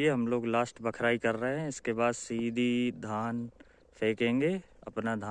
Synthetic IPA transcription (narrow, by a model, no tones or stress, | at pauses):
eɦɐmloːɡlaːsʈbɐkʰɾaːikɐɾːəɦeɦɛ̃ɪskebaːd̪siːd̪ʱid̪ʱaːn | pʰeːkẽːŋɡeɐ̰pnad̪ʱa